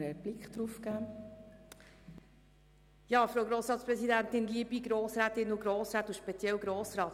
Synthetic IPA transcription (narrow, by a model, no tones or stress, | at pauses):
əb̥lɪkʰd̪ɾufkæː | jɑːfɾowɡɾoːsɾɑːtspɾɛsidæntɪnliəbiɡɾoːsɾæːt̪ɪnuɡɾoːsɾæːt̪uʃpɛt͡sjɛwɡɾoːsɾɑːt